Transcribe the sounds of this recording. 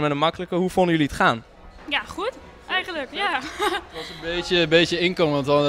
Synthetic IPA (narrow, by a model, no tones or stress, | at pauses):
mɛnənmɑkələkəɦufondəjɵliətχaːn | jaχut | ɛχələkjatʋɔsənbejjəbejtjəɪnkɔŋʋɔntɔ